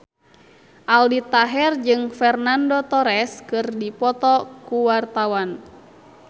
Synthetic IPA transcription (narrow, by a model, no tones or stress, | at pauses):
ʔaldit̪aɦɛrd͡ʒɨŋfɛrnandɔt̪ɔɾɛskɨrdipɔt̪ɔkuwart̪awan